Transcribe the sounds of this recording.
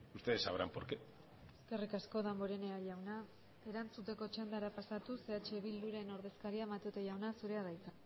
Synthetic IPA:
ust̪eðesaβɾampoɾke | eske̞rikasko̞ðamboɾe̞ne̞aʎawna | e̞ɾant͡sut̪e̞ko̞t͡ʃand̪aɾapasat̪use̞at͡ʃe̞βild̪uɾaeno̞ɾðe̞skaɾiaemat̪ut̪eʝawnasuɾe̞aðajt͡sa

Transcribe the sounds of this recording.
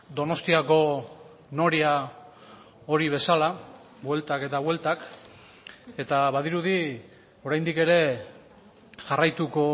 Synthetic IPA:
d̪o̞no̞st̪iako̞ | no̞ɾia | o̞ɾiβ̞e̞sala | bwe̞lt̪ake̞t̪aβwe̞lt̪ak | e̞t̪aβaðiɾuði | o̞ɾajnd̪ike̞ɾe̞ | ʝarajt̪uko̞

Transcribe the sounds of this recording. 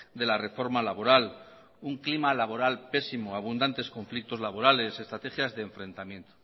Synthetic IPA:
d̪e̞lare̞fo̞ɾmalaβo̞ɾal | uŋklimalaβ̞o̞ɾalpe̞simoaβ̞und̪ant̪e̞sko̞ɱflik̚t̪o̞zlaβo̞ɾale̞se̞st̪ɾat̪exjazðe̞ːɱfɾẽ̞nt̪amjẽ̞nt̪o̥

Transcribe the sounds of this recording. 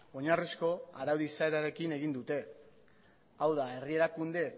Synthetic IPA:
o̞ɲarisko̞a̰ɾawðisaeɾaɾe̞kine̞ɣ̞ind̪ut̪e̞ | awðae̞rie̞ɾakund̪e̞

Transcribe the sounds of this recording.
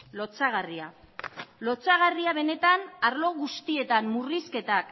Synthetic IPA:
lo̞t͡saɣ̞aria | lo̞t͡saɣ̞ariaβ̞e̞ne̞t̪anaɾlo̞ɣust̪ie̞t̪ammuriske̞t̪ak

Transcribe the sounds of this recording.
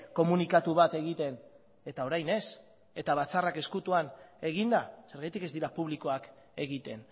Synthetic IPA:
ko̞munikat̪uβat̪e̞ɣ̞it̪e̞n | e̞t̪ao̞ɾajne̞s | e̞t̪aβat͡sarake̞skut̪uane̞ɣ̞ind̪ase̞ɾɣajt̪ike̞zd̪iɾapuβ̞liko̞ak | e̞ɣit̪e̞n

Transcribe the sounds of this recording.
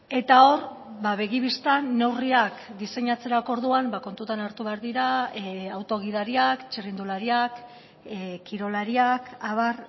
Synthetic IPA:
e̞t̪ao̞ɾbaβe̞ɣ̞iβist̪anːe̞wriakd̪ise̞ɲat͡se̞ɾako̞ɾðuambako̞nt̪ut̪anaɾt̪uβe̞aɾðiɾaawt̪o̞ɣ̞ið̞aɾiakt͡ʃerind̪ulaɾiak | kiɾo̞laɾiakaβar

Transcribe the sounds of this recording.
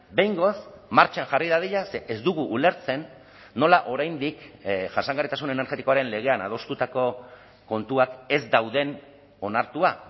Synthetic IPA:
be̞jŋɡo̞smaɾt͡ʃanʝariðaðiʎase̞ʔezd̪uɣ̞uʔːle̞ɾt͡se̞nː | o̞laʔo̞ɾajnd̪ikʝasaŋɡaɾrit̪asunenaɾxe̞t̪iko̞aɾe̞nle̞ɣ̞e̞ana̰ð̞o̞st̪ut̪ako̞ | ko̞nt̪uake̞zd̪awðe̞n | o̞naɾt̪ua

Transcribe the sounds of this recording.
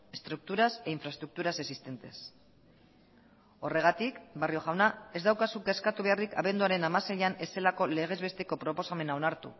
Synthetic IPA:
e̞st̪ɾuk̚t̪uɾaseiɱfɾast̪ɾuk̚t̪uɾase̞sist̪e̞nt̪e̞s | o̞re̞ɣ̞at̪ikbario̞ɣawnae̞zd̪awkasukeːskat̪uβe̞arikaβ̞e̞nd̪uaɾe̞namaseʎane̞se̞lako̞leɣ̞e̞zβe̞st̪e̞ko̞pɾo̞po̞same̞nao̞naɾt̪ṵ

